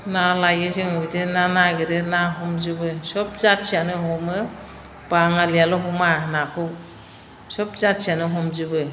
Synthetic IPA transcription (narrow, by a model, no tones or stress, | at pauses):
nalajɯzɯŋɯbidɯnanaɡiɾɯnaɦɔmzɯbɯsɔp̚zatsianɯɦɔmɯ | b̥aŋalijalɔɦɔmanakʰɯw | sɔp̚zatsianɯɦɔmzɯbɯ